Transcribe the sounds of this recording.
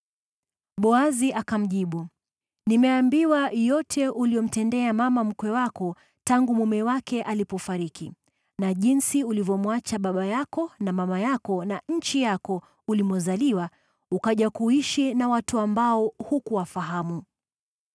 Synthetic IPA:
ɓɔaziʔakam̩ʄiɓu | nimɛambiwajɔtʰɛʔuliɔm̩tɛndɛamamam̩kwɛwakɔ | taŋɡumumɛwakɛʔalipɔfaɾiki | naʄinsiulivjɔmwat͡ʃaɓaɓajakɔnamamajakɔnaɲ̩t͡ʃijakɔ | ulimɔzaliwa | ukaʄakuiʃinawatuambaɔhukuwafaɦamu

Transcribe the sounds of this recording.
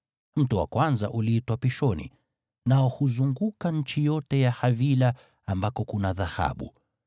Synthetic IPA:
m̩tuwa̰kwanza̰ʔuliitwapiʃɔnḭ | naɔhuzuŋɡukaɲ̩t͡ʃijɔtɛjahavila | ambakɔkunaðaha̰ɓṵ

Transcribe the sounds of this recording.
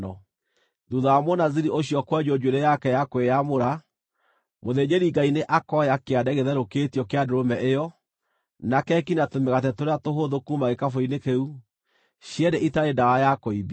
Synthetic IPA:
ɔ | ðuðaamwɔnaziɾioɕjɔkwɛd͡ʒod͡ʒweɾɛjakɛjakwejamoɾa | moðeɲeɾiɡaineʔakɔjakeadɛɣeðɛɾoketiɔkeadoɾomɛʔejɔ | nakɛkinatomeɣatɛtoɾeatoɦoðokumaɣekafoinekeu | ɕjɛdeʔitaɾedawajakoiβi

